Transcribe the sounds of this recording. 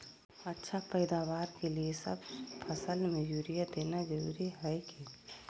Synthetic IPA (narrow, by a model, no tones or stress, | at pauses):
ətːʃʰapəɪd̪aːʋaːɾkeliesə̰bpʰəsəlmẽjuːɾijad̪eːnad͡ʒəɾṵːɾiɦɛɛki